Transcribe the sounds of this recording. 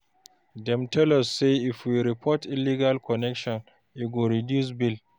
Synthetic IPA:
dɛmtɛlɔsːeifwiɾipʰɔtɪlːiɡalkɔnɛkʃɔn | ʔiɡoɾidjus̬bil

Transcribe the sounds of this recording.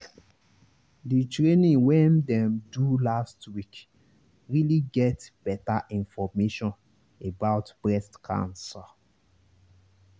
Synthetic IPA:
ditɹenĩwɛ̃ndɛ̃mdulastwik | ɹiliɡɛtb̥ɛtaʔĩnfɔmeʃɔ̃n | ebaʊtb̥ɹɛstkʰã̰nsɔ

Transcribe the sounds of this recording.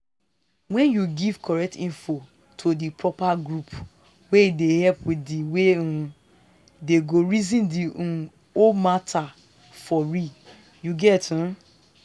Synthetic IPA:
wɛ̃njuɡiv̥kʰɔɹɛk̚tĩnfo | tʰodipɹɔpaɡɹup | weidehɛpwiiwẽ | deɡoɹizĩndiũ | omatʰa | fɔɹi | juɡɛtũ

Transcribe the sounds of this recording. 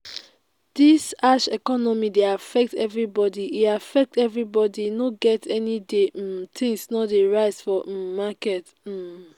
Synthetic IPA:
d̥isaʃɛkɔnɔmideafɛk̚tʰɛvɹibɔdiiafɛk̚tɛvɹibɔdinoɡɛtʰɛnidetʰĩŋsnɔdeɹaɪzfɔmakɛt̩

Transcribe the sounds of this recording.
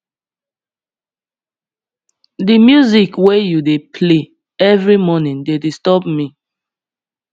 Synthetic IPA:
dimjuzikwejudepʰle | ɛvɹimɔnĩndedistɔbmi

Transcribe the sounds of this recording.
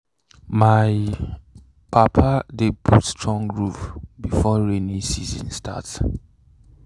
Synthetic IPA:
maɪ | pʰapʰadepʰutstʰɹɔ̃ŋɹufbifɔɹenisizə̰̃nstʰa̰t

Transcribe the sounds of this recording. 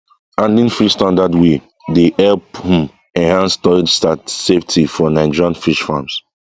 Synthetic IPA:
ãndĩnfiʃstãndadwe | deɛlphũm | ɛ̃nhãnstɔid͡ʒstatseftʰifɔnãɪ̃d͡ʒãnfiʃfams

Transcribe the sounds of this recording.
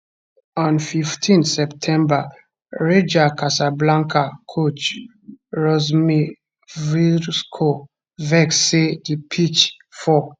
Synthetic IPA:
ɔ̃nfiftʰĩnsɛptʰɛ̃mba | ɹed͡ʒakasablãŋkʰakʰot͡ʃ | ɹɔzmi | viskʰo | vɛkssedipʰit͡ʃ | fɔ

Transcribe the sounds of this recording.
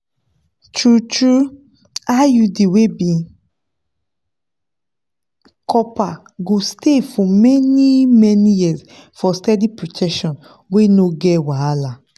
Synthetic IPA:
tɹutɹu | ajudewebĩn | kʰɔpa | ɡostefɔmɛnimɛnijizfɔstɛdipɹotʰɛkʃɔ̃n | wenoɡɛwaala

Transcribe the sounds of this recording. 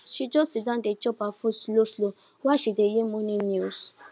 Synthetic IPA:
ʃid͡ʒosidãdet͡ʃɔpafũsloslo | waʃidejemonĩnjus

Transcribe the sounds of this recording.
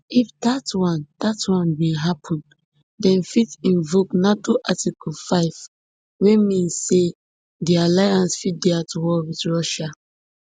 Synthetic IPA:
ifdatwãnd̥atwãnbɛ̃ɦapʰɔ̃n | dɛ̃nfitĩɱvoknatoʔatikɔlfaɪv̥ | wemĩnsːe | dialajãnsfit̚dɛatwɔlwidɹɔʃa

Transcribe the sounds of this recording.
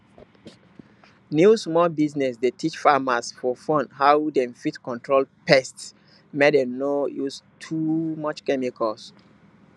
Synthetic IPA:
njusmɔlbiznɛsdetʰit͡ʃfamasfɔfɔ̃ndhawdɛ̃mfitkɔ̃ntʰɹolpɛsts | medɛ̃nojustʰumɔt͡ʃkɛmikʰɔs

